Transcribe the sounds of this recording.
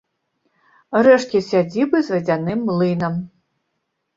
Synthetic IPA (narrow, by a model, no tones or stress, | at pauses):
rɛʂkʲisʲad͡zʲibɨzvɐd͡zʲanɨmlˠɨnɐm